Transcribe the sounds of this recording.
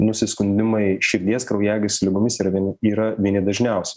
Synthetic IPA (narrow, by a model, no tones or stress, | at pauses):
nʊsʲɪskʊnʲd̪ʲɪmɐɪʃʲɪɾʲd̪ʲiɛskɾɐʊjæːɡʲɪslʲɪɡʊmʲɪsiːɾɐnʲiːɾɐʋʲiɛnʲɪd̪ɐʒʲnʲɛʊsʲɛ